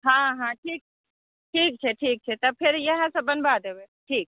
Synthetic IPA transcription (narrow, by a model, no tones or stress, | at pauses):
ɦãːɦãʈʰiːk̚t͡ʃʰɛ | ʈʰiːk̚t͡ʃʰeʈʰiːk̚t͡ʃʰɛt̪ɐb̚pʰɪɾjɐɦãsɐbɐnbad̪eweʈʰiːk̚